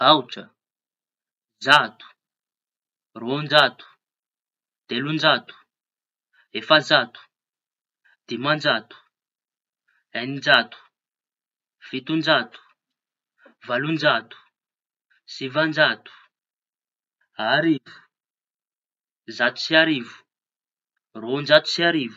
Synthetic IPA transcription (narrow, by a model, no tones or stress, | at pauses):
awt͡ʃa | zat̪u̥ | ruɔnd͡ʒat̪u̥ | d̪̥elund͡ʒat̪u̥ | ɦefazat̪u̥ | d̪̥imand͡ʒat̪u̥ | ɛnind͡ʒat̪u̥ | v̥it̪und͡ʒat̪u̥ | valund͡ʒat̪u̥ | sivand͡ʒat̪u̥ | ɦaɾivu̥ | zat̪u̥siaɾivu̥ | rond͡ʒat̪u̥siaɾivu